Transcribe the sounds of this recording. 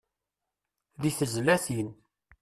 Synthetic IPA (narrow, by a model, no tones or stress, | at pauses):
ðiθəzlæθin